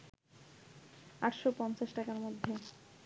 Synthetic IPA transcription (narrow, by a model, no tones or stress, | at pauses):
aʈʃopɔnt͡ɕaʃʈakaɾmod̪ʱːe